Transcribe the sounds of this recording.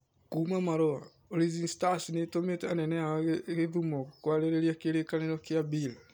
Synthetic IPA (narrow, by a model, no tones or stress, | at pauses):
kuːmamaɾoa | oɾizinstasinetometɛanɛnɛaɣeðumɔkwaɾeɾeɾjakeɾekaneɾɔkjabil